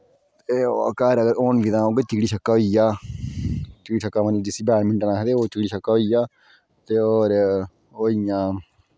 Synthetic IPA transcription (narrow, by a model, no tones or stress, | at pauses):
t̪eo̰ə̰kaːɾəɡəɾoːnbid̪ãːoːɡeːt̪iɡɽiːʃʰəkːaːɦoijaː | t̪ɪɽiːt͡ʃəkːaːməniːd͡ʒɪsiːbɛːɾmɪ̃ɳʈnãːɦed̪eːoːt͡ʃ̪ɪɽiːʃʰəkːaːɦoiːaː | t̪eːoːɾ | oːijãː